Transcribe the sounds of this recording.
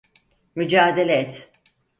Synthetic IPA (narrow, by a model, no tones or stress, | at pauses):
myd͡ʒaːd̪elʲeɛt̪